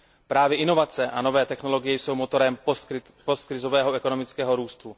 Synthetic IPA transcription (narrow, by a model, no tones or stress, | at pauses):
pɾaːvjɪɛʔɪno̞vat͡sɛʔano̞vɛːt̪ɛxno̞lo̞ɡɪjɛjso̞wmot̪o̞ɾɛm | post̪̚kɾɪzo̞vɛːɦoʔɛkonomɪt͡skɛːɦo̞ɾuːst̪u